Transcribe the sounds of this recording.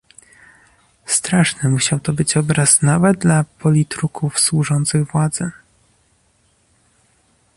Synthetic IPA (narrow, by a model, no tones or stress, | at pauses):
st̪ɾaʂnɘmuɕawt̪ɔbɘt͡ɕɔbɾaznavɛd̪lapʰɔlʲit̪ɾukʰufswuʐɔnt̪sɘɣvwad̪zɛ